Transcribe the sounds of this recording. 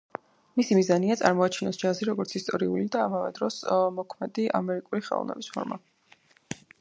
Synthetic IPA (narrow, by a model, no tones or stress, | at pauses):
misimizaniat̪sʼaɾmɔat͡ʃʰinɔsd͡ʒaziɾɔɡɔɾt̪sʰist̪ʼɔɾiulid̪aːmavɛ̰d̪ɾɔsmɔkʰmɛd̪iʔa̰mɛɾikʼuliχɛ̰lˠɔ̰vnɛ̰bispʰɔɾma